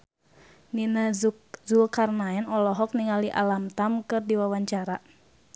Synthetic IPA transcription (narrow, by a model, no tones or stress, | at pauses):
ninazulkarnaɛnɔlɔɦɔk̚niŋaliʔa̰lamt̪amkɨrdiwawaɲt͡ʃaɾa